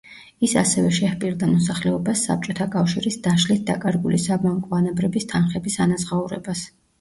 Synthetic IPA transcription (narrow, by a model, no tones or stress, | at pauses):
isa̰sɛvɛʃɛhpʼiɾd̪amɔsaχlɛɔbasːa̰p̚t͡ʃʼɔt̪ʰakʼafʃiɾisd̪aʃlit̪̚ʰd̪akʼaɾɡulisabaŋkʼɔanabɾɛbist̪ʰanχɛbisanazʁauɾɛ̰bas